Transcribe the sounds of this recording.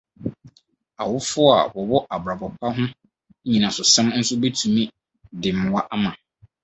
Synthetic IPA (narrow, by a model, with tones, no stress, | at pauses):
a˨wʊ˦fʊ˦a̰˨wɔ˨bɔ˦ʔa˨bɾa˨bɔ˨pʰa˦ɦʊ̃˦ | ɲĩ˨nã˨sʊ˨sɛ̃˦mn̩˦sʊ˦be˦tʰũ˨mĩ˦ | dɪ˨m̩˨wa˦ʔa˦mã˨